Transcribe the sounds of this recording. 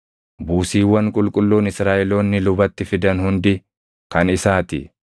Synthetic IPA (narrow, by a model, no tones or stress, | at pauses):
buːsiːwːɐŋkʼʊlkʼʊlːuːnɪsɾaːʔɛlo̞ːnːɪlʊbɐt̪ːɪfɪd̪ɐnhʊnd̪ɪ | kɐnɪsaːt̪ɪ̰